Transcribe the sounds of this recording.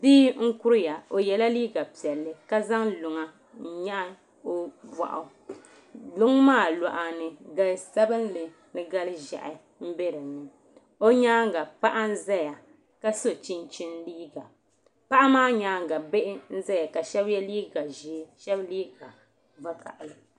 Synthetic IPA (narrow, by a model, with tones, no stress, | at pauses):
diː˦ŋ̩˦kʊ˦ɾja˨o˨jɛ˨la˦liː˦ɡa˨pi˨ɛ˨lːɨ˨ka˦za˦ŋlʊ˨ŋa˨ | ɲa˦ʔa˦ | o˦ba̰˨ʔa̰˨˦ | lʊ˦ŋ˦maː˦˨la˨ʔa˨nɨ˨ɡa˨lsa˦bɨ˦n˦lɨ˨ | nɨ˦ɡa˦lʒa̰˨ʔɪ˨ | m̩˦be˦ɾɨ˨nɨ˨ | o˦ɲaː˦ŋ˦ɡa˨pa˦ʔa˦n̩˦za˦ja˨ | ka˦so˦t͡ʃi˦nt͡ʃi˦nliː˦ɡa˨ | pa˦ʔa˦maː˦ɲaː˦ŋ˨ɡa˨be˦ʔɪ˦n̩˦za˦ja˨ka˨ʃɛ˦bjɛ˦liː˦ɡa˨ʒe˨˦ʃɛ˦bliː˦ɡa˨ | va˦ka̰˨ʔj